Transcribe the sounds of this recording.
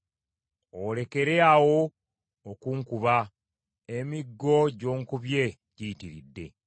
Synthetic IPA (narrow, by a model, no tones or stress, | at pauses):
ole̞ke̞ɾeawo | okuŋkuβa | emiɡːo̞ɟo̞ːŋkuβje̞ | ɟiːtiɾidːe̞̰